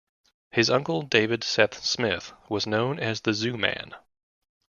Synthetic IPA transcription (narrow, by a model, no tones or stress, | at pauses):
hɨzʌ̃ŋkl̩ˠdeɪvɨd̥sɛpsmɪθwʌznõʊ̃nɨzðɨzʉmæ̰̃n